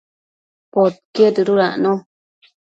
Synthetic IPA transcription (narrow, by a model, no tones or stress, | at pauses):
pot̪̚ked̪ɨɾuɾanõ